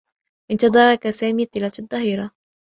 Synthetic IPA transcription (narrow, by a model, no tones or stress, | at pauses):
ʔɪnt̪ɑd̪ˤɑːɾˤɑkasaːmiːt̪ːɪlɑːt̪ɑd̪ˤːɑɦiːɾɑ